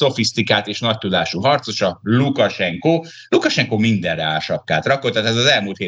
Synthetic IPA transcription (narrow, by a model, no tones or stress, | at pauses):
so̞fist̪ikaːt̪eːʃnɒc̚t̪ud̪aːʃuɦɒrt̪so̞ʃɒlukɒʃɛŋkoː | lukɒʃɛŋkoːmind̪ɛrɛaːlʃɒpkːaːt̪rɒko̞lt̪ːat̪ɛzɒzɛlmult̪heː